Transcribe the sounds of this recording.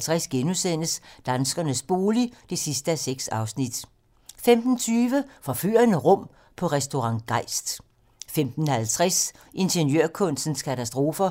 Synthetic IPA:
t͡sʰʁɛsɡ̥enusen̰əsd̥ænsɡ̥ɐnəsb̥o̝ːlid̥e̝sisd̥əæseɡ̥sɑ̈ʊsnid̥ | femd̥n̩t͡sʰyːʋəfɒ̽fy̰ɐnəʁɔ̽m̰ | pʰɒ̽ʁɛsd̥o̝ʁɑ̈ŋ̰ɡ̥ɑ̈ɪ̰sd̥ | femd̥n̩hælt͡sʰʁɛs | ʔe̝nɕənjøɐ̰kʰɔ̽n̰sn̩skʰæt͡sʰæsd̥ʁo̝ːfɐ

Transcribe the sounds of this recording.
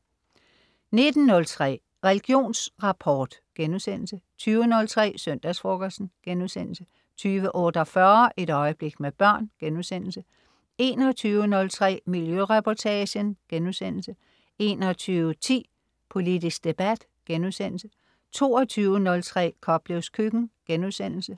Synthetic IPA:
ne̝d̥n̩nɔ̽lt͡sʰʁɛ̰ː | ʁɛliɡ̥jo̝̰ːnsʁɑ̈pʰɒːd̥ɡ̥enusen̰l̩sət͡sʰyːʊənɔ̽lt͡sʰʁɛ̰ːsœn̰d̥æsfʁoɡ̥ɐsn̩ɡ̥enuðˠsen̰l̩sə | t͡sʰyːʋəʔɔːd̥ɒfɶɐʔe̝ɾ̥ɒ̽ɪəb̥le̝ɡ̥meb̥ɶɐ̰nɡ̥enusen̰l̩sə | e̝ːnɒt͡sʰyːʊənɔ̽lt͡sʰʁɛ̰ːmiljøʁɛpʰɒt͡sʰɛɕənɡ̥enuðˠsen̰l̩sə | e̝ːnɒt͡sʰyːʊət͡sʰḭː | pʰo̝lidisɡ̥̚d̥e̝b̥æd̥ | ɡ̥enuðˠsen̰l̩sə | t͡sʰo̝ːɒt͡sʰyːʊənɔ̽lt͡sʰʁɛ̰ːkʰɒ̽b̥leʊskʰyɡ̥n̩ɡ̥enuðˠsen̰l̩sə

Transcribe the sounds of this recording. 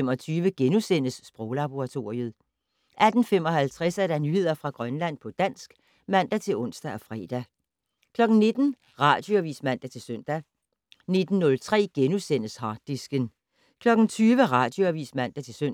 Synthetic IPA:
emɒt͡sʰyːʋəɡ̥enusen̰əsːb̥ʁɔʊlɑ̈b̥o̝ʁɑ̈t͡sʰo̝ːʁiəðˠ | ʔæd̥n̩fem̰ɒ̽hælt͡sʰʁɛsæɾɑnyhe̝ð̰ˠɐfʁɑ̈ɡ̥ʁɶnlæn̰pʰɒ̽d̥æn̰sɡ̥ | mæn̰d̥æt͡sʰe̝lɔ̽n̰sd̥æɒ̽fʁɛ̰ːd̥æ | kʰlɒ̽ɡ̥n̩ne̝d̥n̩ | ʁɑ̈d̥jo̝æʋḭːsmæn̰d̥æt͡sʰe̝lsøn̰d̥æ | ne̝d̥n̩ːɔ̽lt͡sʰʁɛ̰ːɡ̥enusen̰əshɑ̈ːd̥ːisɡ̥ən | kʰlɒ̽ɡ̥n̩t͡sʰyːʋəʁɑ̈ːd̥jo̝æʋḭːsmæn̰d̥æt͡sʰe̝søn

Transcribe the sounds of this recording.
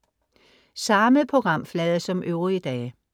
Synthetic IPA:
sɑ̈məpʰʁo̝ɡ̥ʁɑ̈m̰flɛðˠɐsɒ̽mʔøʊʁid̥ɛː

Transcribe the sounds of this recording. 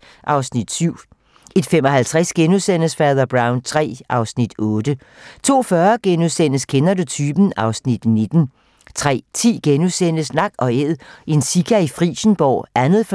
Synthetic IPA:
ʔɑ̈ʊsnid̥syʊ̰ | e̝d̥femɒ̽hælt͡sʰʁɛsɡ̥enusen̰əsfɛðˠɐb̥ʁɑ̈ʊnt͡sʰʁɛ̰ːʔɑ̈ʊsnid̥ɔːd̥ə | t͡sʰo̝̰ːfɶɐɡ̥enusen̰əskʰenɐdut͡sʰyːb̥n̩ɑ̈ʊsnid̥ne̝d̥n̩ | t͡sʰʁɛ̰ːt͡sʰḭːɡ̥enusen̰əsnɑ̈ɡ̥ɒ̽eð̰ˠe̝nsiɡ̥æifʁḭːɕn̩b̥ɒ̰ːʔænð̩ˠf

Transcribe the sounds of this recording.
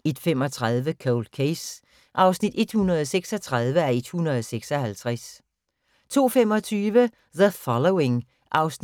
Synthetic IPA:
e̝d̥fem̰ɒ̽t͡sʰʁað̞ˠʋəkʰoʊld̥kʰes | ʔɑ̈ʊsnid̥e̝d̥hunɐð̞ˠɒ̽seɡ̥sɒ̽t͡sʰʁɑð̞ˠʋəæɐe̝d̥hunʁɐð̞ˠɒseɡ̥sɒ̽hælt͡sʰʁæs | t͡sʰo̝̰ːfem̰ɒ̽t͡sʰyːʋə | ðəfɒloʊe̝ŋ | ʔɑ̈ʊsn

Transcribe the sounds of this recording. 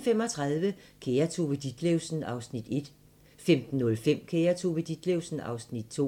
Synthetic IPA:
fem̰ɒ̽t͡sʰʁɑðˠʋəkʰeɐt͡sʰoʋed̥id̥leʊsn̩ɑ̈ʊsnid̥e̝d̥ | femd̥n̩ːɔ̽lfem̰kʰeːɐt͡sʰuʋed̥id̥leʊsn̩ɑ̈ʊsnid̥̚t͡sʰo̝̰

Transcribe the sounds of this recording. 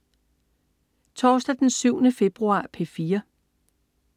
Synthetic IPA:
t͡sʰɒːsd̥æd̥ensyʊ̰nəfe̝b̥ʁuɑ̰̈ːpʰe̝fiːɐ

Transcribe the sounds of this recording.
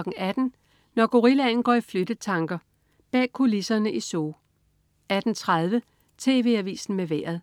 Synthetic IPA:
ɡ̥ŋ̩æd̥n̩ | nɒɡ̥o̝ʁilæn̩ɡ̥ɒ̰ːiflød̥ət͡sʰɑ̈ŋɡ̥ɐ | b̥ɛ̰ːkʰo̝lisɐnəʔisoː | æd̥n̩t͡sʰʁað̞ˠʋə | t͡sʰe̝̰ːʋe̝̰ːæʋḭːsn̩meʋæ̰ːɐ̰ð̞ˠ

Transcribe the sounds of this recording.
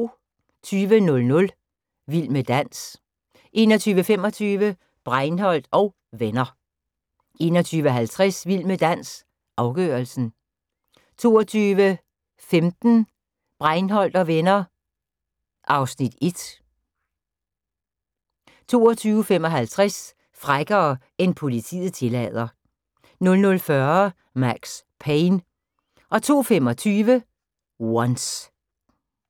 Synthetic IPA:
t͡sʰyːʋənɔ̽lnɔ̽l | ʋil̰məd̥æn̰s | ʔe̝ːnɒt͡sʰyːʋəfem̰ɒ̽t͡sʰyːʋə | b̥ʁɑɪnhɒ̽l̰d̥ɒ̽ʊ | ʋenɐ | ʔe̝ːnɒt͡sʰyːʋəɦælt͡sʰʁɛsʋil̰məd̥æn̰s | ʔɑ̈ʊɡ̥ø̰ːɐlsn̩ | t͡sʰo̝ːɒt͡sʰyːʋə | femd̥n̩ | b̥ʁɑɪnɦɒ̽l̰d̥ɒ̽ʋenɐ | ʔɑ̈ʊsnid̥e̝d̥ | t͡sʰo̝̰ːɒt͡sʰyːʊəfem̰ɒ̽ɦælt͡sʰʁas | fʁaɡ̥ɐː | e̝npʰo̝lit͡sʰḭð̩ˠt͡sʰe̝lɛð̞̰ˠɐ | nɔ̽lnɔ̽lfɶɐ | mæɡ̥s | pʰeɪn | ʔɒ̽t͡sʰo̝̰ːfemɒ̽t͡sʰyːʋə | wɒns

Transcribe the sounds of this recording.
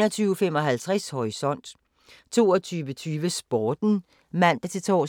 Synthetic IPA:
nɐt͡sʰyːʊfem̰ɒ̽ɦælt͡sʰʁashɒʁisɒ̽n̰d̥ | t͡sʰo̝ːɒt͡sʰyːʋət͡sʰyːʋəsb̥ɒːd̥n̩ | mæn̰d̥ɑt͡sʰe̝lt͡sʰɒ̰ː

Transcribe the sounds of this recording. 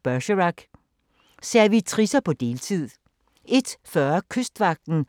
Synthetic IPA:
b̥ɶɕəʁɑɡ̥ | seɐʋit͡sʰʁisɐpʰɒ̽d̥e̝ːlt͡sʰið̰ˠ | ʔe̝d̥fɶːɐkʰøsd̥ʋɑ̈ɡ̥̚d̥n̩

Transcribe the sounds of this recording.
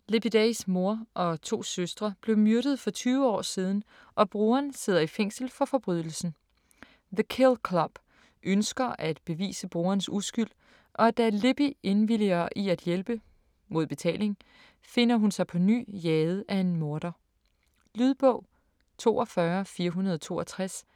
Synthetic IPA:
leb̥id̥æsmo̝ɐʔɒ̽t͡sʰo̝̰ːsøsd̥ʁɐb̥le̝ʊmjøɐɾ̥ð̞ˠfɒ̽t͡sʰyːʊəɒ̰ːsiːð̞ˠn̩ | ʔɒ̽b̥ʁuːɐnse̝ð̞ˠɐifeŋ̰sl̩fɒ̽fɒ̽b̥ʁyðˠl̩sn̩ | ðəkʰelkʰlɒb̥ | ʔønsɡ̥ɐʔæd̥b̥e̝ʋḭːsəb̥ʁuːɐnsusɡ̥yl̰ | ʔɒ̽d̥æle̝b̥ie̝nʋiliɐʔiæd̥jelb̥ə | mo̝ð̞̰ˠb̥e̝t͡sʰɛ̰ːle̝ŋ | fe̝n̰ɐɦunsɑ̈ɪpʰɒ̽ny̰ːjɛːðˠəʔæe̝nmo̝ɐd̥ɐ | lyðˠb̥ɔ̰̽ʊ̰ | t͡sʰo̝̰ːɒfɶɐfiːɐɦunɐð̞ˠɒt͡sʰo̝̰ːɐt͡sʰʁas

